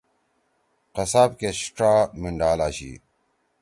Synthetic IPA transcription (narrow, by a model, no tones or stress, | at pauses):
qɐsaːpkeɕʈ͡ʂɾaːmiɳɖaːlaːɕḭː